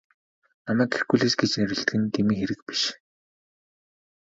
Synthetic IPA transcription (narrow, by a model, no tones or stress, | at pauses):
namæːkerɡuɮeːsɡet͡ɕneɾɘ̆ɬt̪ɘɡɘ̆nt̪ʰemiːŋxeɾɘ̆k̚pi̥ʃ